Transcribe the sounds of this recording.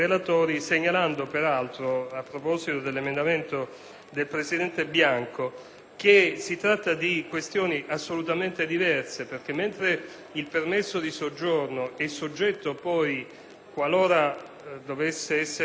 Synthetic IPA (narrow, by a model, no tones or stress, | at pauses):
elat̪oːɾiseɲːaland̪opeɾalt̪ɾoapːɾopɔzit̪od̪elːemend̪ament̪o | d̪elpɾesid̪ɛnt̪ebjaŋko | k̟esit̪ɾat̪ːad̪ikwest̪joːniʔasːolut̪ament̪ed̪ivɛrseperk̟emːent̪ɾe | ilpermesːod̪isod͡ʒːornoɛsːod͡ʒːɛt̪ːopɔj | kwaloːɾa | d̪ovesːeɛsːe